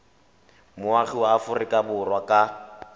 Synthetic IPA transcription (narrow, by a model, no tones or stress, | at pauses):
mʊaχiwaːfʊrɪkʼabʊrwakʼa